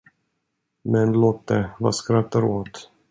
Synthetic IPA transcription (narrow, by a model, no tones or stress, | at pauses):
mɛnloːt̪̚d̪ɛva̰skɾat̪ːaɾoːt̪